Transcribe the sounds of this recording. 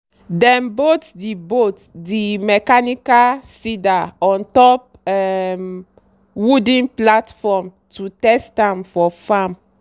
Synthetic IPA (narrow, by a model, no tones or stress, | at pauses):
dɛ̃mbotdibotdimɛkanikasidaɔ̃ntɔp̚ | ɛm | wudĩnplatfɔm | tutɛstãmfɔfãm